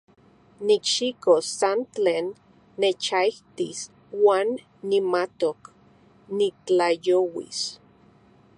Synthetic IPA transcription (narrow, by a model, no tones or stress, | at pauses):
nikʃikosːant͡ɬeːnː | et͡ʃaiht̪ḭs | waːnː | imat̪ok | nit͡ɬajowḭs